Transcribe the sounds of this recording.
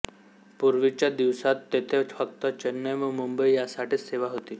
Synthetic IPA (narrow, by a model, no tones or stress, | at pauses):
puɾʋit͡ɕad̪iʋsat̪ːet̪ʰefək̚t̪ət͡ɕənːəjməmumbəijasaʈʰeseʋaɦot̪iː